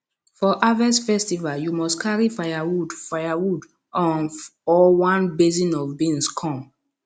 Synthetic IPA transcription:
fɔʔavɛsfɛstivaljumɔstkʰaɹifajawudfajawud | ɔ̃nɔwãnbezĩnɔvbĩnskʰɔ̃m

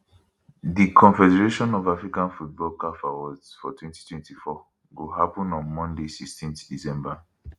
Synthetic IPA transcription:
dikʰɔ̃nfɛdɛɹeʃɔ̃nɔvafɹikãnfut̚bɔlkafawɔdfɔtwɛ̃nti̥twɛ̃ntifɔ | ɡoɦapɔ̃nɔ̃nmɔ̃ndesikstĩnθdisɛ̃mba

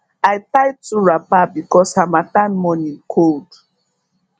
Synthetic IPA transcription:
ajtajtuɹapabikɔshamatãnmɔ̃nĩkʰold

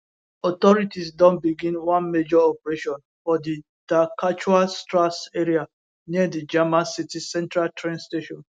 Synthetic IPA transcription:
ɔtɔɹitisdɔ̃nbiɡĩnwãnmed͡ʒɔɔpɹeʃɔ̃n | fɔdi | d̥akat͡ʃuɹalstɹaseɹia | nidid͡ʒɛmãnsitisɛ̃ntɹaltʰɹɛ̃nsteʃɔ̃n

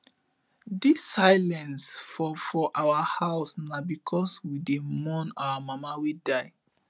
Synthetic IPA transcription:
disːajlɛ̃nsfɔfɔʔawəhaʊsnabikʰɔswidemɔ̃nawəmamawidaj

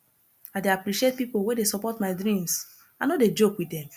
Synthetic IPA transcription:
adeapɾiʃiet̚pipowedesɔpɔtmaɪdɹĩms | anoded͡ʒokwidɛ̃m

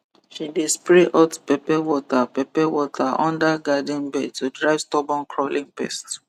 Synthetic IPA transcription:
ʃidespɹɛʔatpɛpɛwɔtapɛpɛwɔtʰaʔɔ̰̃ndaɡadĩnbɛd̚tudɹaɪvstɔbɔ̃nkʰɹɔlĩŋpɛ̰st

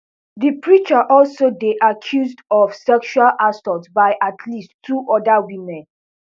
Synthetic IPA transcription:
ðipɹit͡ʃaʔɔlsodeʔakʰjuzdɔfsɛkʃwalʔasɔltsbaɪʔatʰlistʰːuʔɔdawimɛ̃n

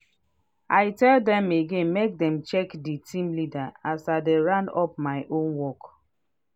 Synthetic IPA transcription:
aɪtɛldɛ̃meɡẽnmek̚dɛ̃mt͡ʃɛkditʰĩmlidaasadeɹãnɔp̚maɪʔõnwɔk

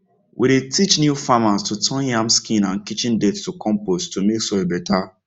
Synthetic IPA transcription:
wʔiɾetʰit͡ʃnjufamastutʰɔ̃njãmskĩnãnkit͡ʃĩndetstukɔ̃mposttumeksɔebɛta

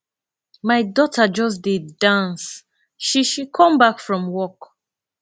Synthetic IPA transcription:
majdɔtʰad͡ʒɔs̬didːãns | ʃiʃikʰɔ̃mbakfɹɔ̃mwɔk

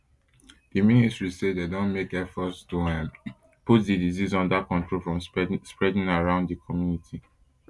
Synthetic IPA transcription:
diministɹisededõnmekɛfɔtsdoãn | put̚didizizɔ̃ndakɔ̃ntɹolfɹɔ̃mspɹɛdĩŋaɹãʊ̃ndðikʰɔmjunitʰi

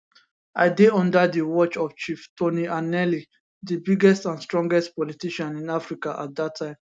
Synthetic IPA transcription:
aɪdeɔ̃ndadiwɔt͡ʃɔft͡ʃiftʰoniʔanɛli | dibiɡɛstãnstɹɔ̃ŋɡɛstpɔlitiʃãnĩnafɹikaʔa̰t̚d̪atʰːãɪ̃m

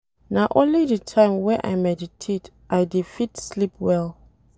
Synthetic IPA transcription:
naʊʔõnlidətʰãɪ̃mwɛ̃ʔa̰jmɛditʰet | ʔaɪdifitslip̚ʰwɛl

